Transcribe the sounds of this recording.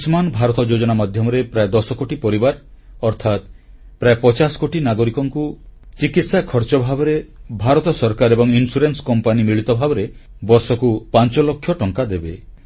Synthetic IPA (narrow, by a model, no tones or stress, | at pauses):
smanbʱaɾɔt̪ɔd͡ʒod͡ʒɔnamad̪ʱjɔmɔɾepɾaed̪ɔsɔkoʈipɔɾibaɾ | ɔɾt̪ʰat̪ | pɾaepɔt͡ʃasɔ̥koʈinaɡoɾikɔŋkut͡ʃikit̪sakʰɔɾt͡ʃɔbʱabɔɾebʱaɾɔt̪ɔsɔɾkaɾebɔŋinsuɾenskɔmpanimiɭit̪ɔbʱabɔɾebɔɾsɔkupant͡ʃɔlɔkʰːjɔʈɔŋkad̪ebe